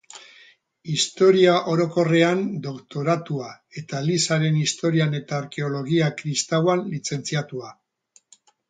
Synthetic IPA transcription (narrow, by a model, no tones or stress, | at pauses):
ist̪o̞ɾiaʔo̞ɾo̞ko̞re̞and̪o̞kt̪o̞ɾat̪ua | e̞t̪alisaɾe̞nist̪o̞ɾiane̞t̪aːɾke̞o̞lo̞ɣiakɾist̪awanlit͡se̞nt͡siat̪ua